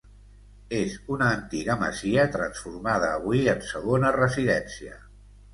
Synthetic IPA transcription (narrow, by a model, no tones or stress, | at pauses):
ezunəːnt̪iɣəmə̰ziət̪ɾənsfurmað̞əːβwiənsəɣonərəziðɛnsiə